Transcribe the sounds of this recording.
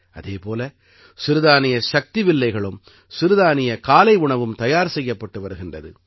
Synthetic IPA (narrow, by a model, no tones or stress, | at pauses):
ʔɐðeːpoːlɐ | sɪɾɯðaːnɪjɐʃɐk̚t̪ɪʋɪlːɐɪɣɐɭɯm | sɪɾɯðaːnɪjɐkaːlɐɪʊɳɐʋɯmt̪ɐjaːɾsɛjːɐpːɐʈːɯʋɐɾɯɣɪndrɐðɯ